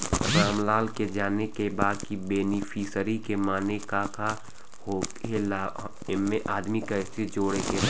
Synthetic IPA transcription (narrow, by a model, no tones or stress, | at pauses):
ɾaːmlaːlked͡ʒaːnekebaːd̪kibeːnipʰiːsəɾikemaːnekaːkʰa | hoːkela | mẽʔaːd̪mikaɪst̪ʰit̪d͡ʒoːɽeke